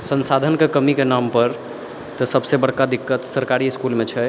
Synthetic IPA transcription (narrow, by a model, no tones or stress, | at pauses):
sənsad̪ʱənkekəmikenampəɾ | t̪əsəbsebəɽkad̪ikːət̪səɾkaɾiskulmet͡ʃʰɛ